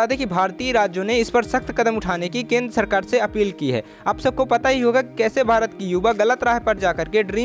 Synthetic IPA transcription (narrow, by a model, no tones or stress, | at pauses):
ad̪ekibʱaːɾt̪iɾaːd͡ʒjõneɪspɐɾsɐxt̪kɐd̪əmʊʈʰaːnekikẽːnd̪ɾəsɐɾkaːɾseɐpiːlkiɦɛ̰ː | aːbsɐb̚kopɐt̪aɦiɦoːɡakikɛːsebʱaːɾət̪kijuːʋaɣɐlət̪ɾaːɦpɐɾd͡ʒaːkɐɾkeɖɾiː